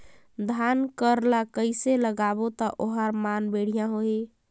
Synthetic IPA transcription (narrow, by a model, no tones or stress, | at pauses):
d̪ʱankəɾlakəɪseləɡabot̪ɔʔoɦəɾmanbeɽ̤ijãɦoi